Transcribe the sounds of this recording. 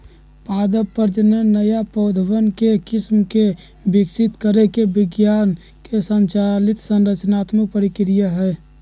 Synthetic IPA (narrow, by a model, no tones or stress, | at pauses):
pad̪əpːəɾd͡ʒnenəjapəʊd̪ʱəwənkekismke | biksit̪kəɾekebɪɡjan | kesənt͡ʃalit̪sə̃nɾət͡ʃnat̪mək̚pəɾikɾijəɦɛ